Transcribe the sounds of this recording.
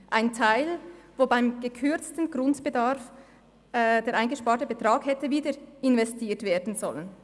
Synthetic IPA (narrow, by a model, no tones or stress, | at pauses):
ʔaɪntʰaɪlvoːbaɪmɡ̥əkʰʏɐt͡stn̩ɡrʊntb̥ədaɾf | deːɾʔaɪnɡəʃpaːtəbətʁ̥aːkhɛtəviːdəɾɪnvɛstiːtv̥eːdn̩zɔlən